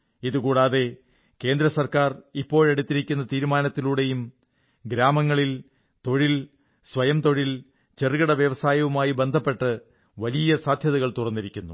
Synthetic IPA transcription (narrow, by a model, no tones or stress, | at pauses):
iðukuːɽaːðe̞ | ke̞ːnd̪ɾɐsɐrkaːripːo̞ːɻe̞ɽut̪ːiɾikʲːunːɐt̪iːɾumaːnɐt̪ːiluːɽe̞jum | ɡɾaːmɐŋːɐɭil | t̪o̞ɻil | sʋɐjɐmt̪o̞ɻil | t͡ɕerɣɐɽɐʋjɐʋɐsaːjɐʋumaːjibe̞nd̪ʱɐpːe̞ʈːɨ | ʋɐlijɐsaːd̪ʱjɐðɐɣɐɭt̪urɐnːiɾikʲːunːu